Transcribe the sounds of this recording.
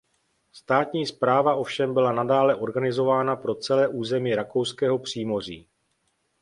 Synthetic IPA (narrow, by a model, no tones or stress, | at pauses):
st̪aːt̪ɲiːspɾaːvaʔo̞fʃɛmbɪlanadaːlɛʔo̞ɾɡanɪzo̞vaːnapɾo̞t͡sɛlɛːʔuːzɛmiːɾako̞wskɛːɦo̞pr̝̥iːmo̞r̝ḭː